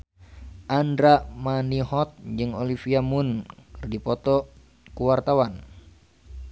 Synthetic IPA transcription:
ʔandɾamanihɔt̪̚d͡ʒɨŋɔlifiamunkrdipɔt̪ɔ | kuwart̪awan

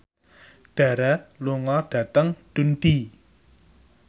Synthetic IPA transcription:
ɖ̥a̤ɾaluŋɔɖ̥ä̤t̪əŋɖ̪̥unɖ̥i

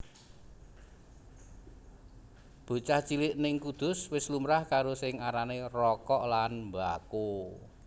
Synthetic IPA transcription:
b̥o̤t͡ʃaht͡ʃilɪʔnɪŋkud̪̥ʊ̤swɪslumɾahkaɾosɪŋaɾanerɔkɔʔlanmbako

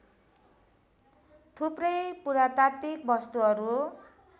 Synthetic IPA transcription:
t̪ʰuprʌjpuɾat̪at̪ik̚bʌst̪uʌɾu

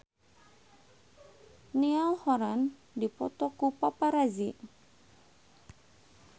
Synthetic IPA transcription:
nialhɔɾan | dipɔ̰t̪ɔkupapaɾazi

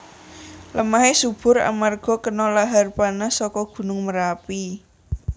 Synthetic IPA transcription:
ləmaɦesub̥ʊ̤ɾa̰marɡ̥ɔ̤kənɔlaɦarpanasɔkɔɡ̥ṳnʊŋməɾapi

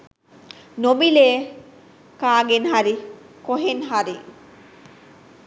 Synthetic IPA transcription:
nomileː | kaːɡenɦaɾi | koɦenɦaɾi

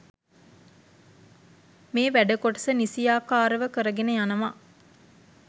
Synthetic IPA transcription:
meːʋæɖəkoʈəsənisijaːkaːɾəʋəkəɾəɡenəjanɐma

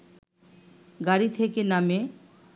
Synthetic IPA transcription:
ɡaɾit̪ʰekename

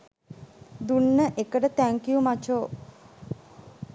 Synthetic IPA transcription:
d̪unːəʔekəʈət̪æŋkijumat͡ʃoː

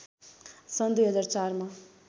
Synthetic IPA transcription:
sʌnd̪wujɦʌd͡zaɾt͡sarma

